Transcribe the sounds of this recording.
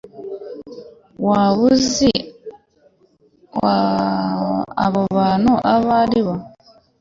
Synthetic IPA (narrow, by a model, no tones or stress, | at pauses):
waβuzi | wa | βɔβanuʔaβaliβa